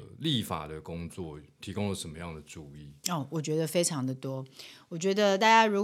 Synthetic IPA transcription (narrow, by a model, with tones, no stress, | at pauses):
li˥˨fa̰˨˩d̪ə˩kʊ˦˥ŋt͡swɔ˥˩t̪ʰi˧˥kʊ˥ŋlə˨ʂə˨˦nmə˦jɑ˥˩ŋd̪ə˩ʈ͡ʂu˨˩i˥˩ɔ˥˩wɔ˨˩t͡ɕɥɛ˧˥d̪ə˧fe˥ɪʈ͡ʂʰɑ˧˥ŋd̪ə˨t̪wɔ˥wɔ˨˩t͡ɕɥɛ˧˥d̪ə˧t̪a˥˩t͡ɕja˥ɻu˧˥